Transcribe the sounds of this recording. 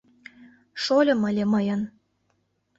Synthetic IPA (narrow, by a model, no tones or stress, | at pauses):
ʃolʲɤ̆məlʲeməjən